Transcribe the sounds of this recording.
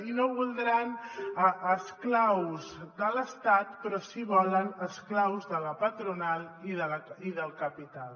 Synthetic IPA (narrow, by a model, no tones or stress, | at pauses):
inoβulˠd̪ɾanəəsklawzd̪ələst̪at̪pɾɔsiβɔlənəsklawzðələpət̪ɾunaliðələiðəlˠkəpit̪alˠ